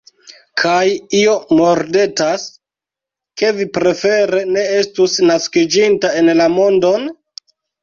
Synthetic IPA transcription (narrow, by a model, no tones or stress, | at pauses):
kʰajio̞mo̞ɾde̞tas | ke̞vipɾe̞fe̞ɾe̞ne̞e̞stusnaskid͡ʒintae̞nlamo̞ndo̞n